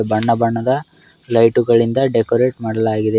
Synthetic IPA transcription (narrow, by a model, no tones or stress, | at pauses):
bɐɳːɐbɐɳːɐd̪ɐ | lɐjʈuɡɐɭind̪ɐɖekoɾeːʈmaːɽɐlaːɡid̪e